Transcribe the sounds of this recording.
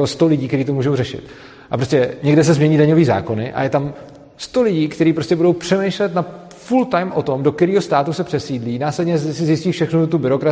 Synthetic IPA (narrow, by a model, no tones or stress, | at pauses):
ost̪olɪɟiːkt̪ɛɾiːt̪o̞muːʒowrɛʃɪ̰t̪ | ʔapɾo̞scɛɲɛɡdɛs̬ɛzmɲɛɲiːdaɲo̞viːza̰ːko̞nɪʔa̰jɛt̪am | st̪o̞lɪɟiːkt̪ɛɾiːpɾo̞scɛbudowpr̝̥ɛmejʃlɛt̪na | fult̪ajmʔo̞t̪o̞mdo̞kɛɾiːɦo̞st̪aːt̪usɛpr̥ɛsiːdliːnaːslɛdɲɛsɪzjɪsciːfʃɛxnut̪ubɪɾo̞kɾa